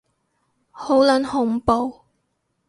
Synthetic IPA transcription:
ho˨˥wlɐ˨˥nhʊ˨˥ŋpo˨w

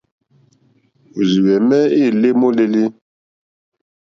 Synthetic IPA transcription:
u˨zi˨wɛ˨mɛ˦i˦˨le˦mo˦le˦li˦

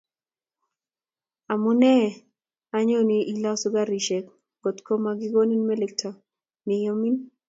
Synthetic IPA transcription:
a˨mʊ˦nɛ˦ | a˦ɲo˦ni˦ʔi˦la˦sʊ˦ɡa˦ɾi˨ʃɛ˨k | ɡ̥o˨t̪kʰo˦ma˦ɡɪ˦ɡo˦ni˦nmɛ˦le˦k̚tʰa˨ | nɪ˨jo˦mi˦n

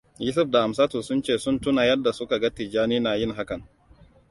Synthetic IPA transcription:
ju˦s̬ʊ˦ɸda˨a˨msaː˦tu˨sʊ˦nt͡ʃeː˦˨sʊ˦ntʊ˦naː˨jɐ˦dːa˨sʊ˦ka˨ɡa˦ti˨d͡ʒaː˦niː˦naː˨jɪ˦ŋɦa˦kɐ˨ŋ

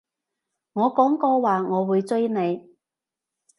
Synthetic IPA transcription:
ŋɔː˨˧kɔː˨˥ŋkɔː˧waː˨ŋɔː˨˧wuː˨˧jt͡sɵ˥ɥne˨˧j

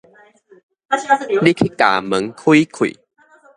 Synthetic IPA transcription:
li˦kʰi˦ka̰˨˩mɨ˨˦ŋkʰwui˦kʰwḭ˨

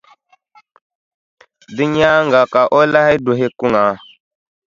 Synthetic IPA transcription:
di˦ɲ˦a˦ŋɡa˨ka˨ʔo˦la˦ha˦jdo˨ɦe˦ku˦ŋa˨

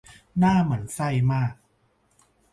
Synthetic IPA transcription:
naː˥˩ma˩˦ənsa˥˩jmaː˥˩k̚

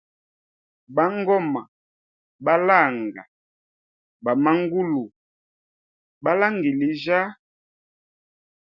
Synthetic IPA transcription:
ba˦ŋɡɔ˦ma˨ | ba˦la˦˨ŋɡa̰˨ | ba˨ma˦ŋ˦ɡu˦lu˨ | ba˦la˦ŋɡi˨li˨ʒa˦

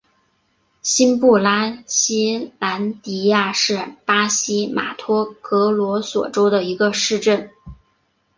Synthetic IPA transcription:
ɕi˥npu˥˩la˥ɕi˥la˧˥nt̪i˧˥ja˥˧ʂɻ̩˥˩pa˥ɕi˥ma̰˨˩t̪ʰwɔ˥kɤ˧˥lwɔ˧˥swɔ̰˨˩ʈ͡ʂo˥ʊd̪ə˨i˧˥ɡə˧ʂɻ̩˥˧ʈ͡ʂə˥˩n

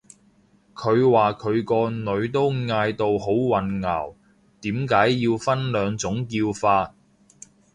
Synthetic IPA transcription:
kʰɵ˨˧ɥwaː˨kʰɵ˨˧ɥkɔː˧nɵ˨˧ɥt̪̬o˥wŋaː˧jt̪o˨who˨˥wwɐ˨nŋɐ̰˨˩w | t̪iː˨˥mkaː˨˥jːiː˧wfɐ˥nlœː˨˧ŋt͡sʊ˨˥ŋkiː˧wfaː˧t̚

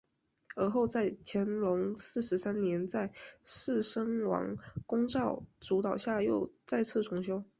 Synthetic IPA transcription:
ə˞˧˥xo˥˧ʊt͡sa˥˩ɪt͡ɕʰjɛ˧˥nlʊ˧˥ŋsɹ̩˥˩ʂɻ̩˧˥sa˥nnjɛ˧˥nt͡sa˥˧ɪʂɻ̩˥˩ʂɤ˥ŋwɑ̰˧˥ŋkʊ˥ŋʈ͡ʂɑ˥˩ʊʈ͡ʂu˧˥t̪ɑ˨˩ʊɕja˥˧jo˥˧ʊt͡sa˥˧ɪt͡sʰɹ̩˥˩ʈ͡ʂʰʊ˧˥ŋɕjo˥ʊ

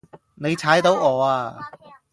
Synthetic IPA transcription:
ne˨˧jt͡sʰaː˨˥jt̪o˨˥wɔː˨˧aː˧

